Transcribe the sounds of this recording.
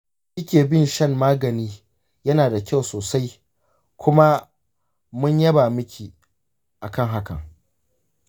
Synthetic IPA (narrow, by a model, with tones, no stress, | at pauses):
ʔɪ˦kʲeː˨bɪ˦˨nʃɐ˦˨mːaː˦ɡɐ˨niː˦ | jɐ˦naː˨da˨kʲa˦˨wsoː˨sa˦j | kʷʊ˦ma˦ | mʊ˦ɲjɐ˦baː˨mɪ˦kʲi˨ | ʔa˨kɐ˦˨ŋɦa˦kɐ̰˨ŋ